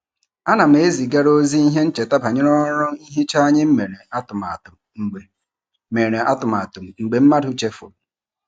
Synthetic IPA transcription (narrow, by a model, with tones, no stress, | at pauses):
a˦na˨m̩˨e˨˦zi˨ɡa˦ɾo˦zi˦i˦ɦe˦n̩˦t͡ʃe˨ta˦pa˨ɲe˦ɾɔ˦ɔ˦ɾʊ˦i˦ɦe˦t͡ʃa˦ɲɪ˦m̩˦me˨ɾe˨a˦tʊ˨ma˨ʊ˨ | ŋ͡m̩˨e˨ | me˨ɾe˨ʔa˦tʊ˨m˨a˨tʊ˨m̩˨ŋ͡m̩˨ɡ͡be˨m̩˦ma˦dʊ˦t͡ʃe˦fo̰˨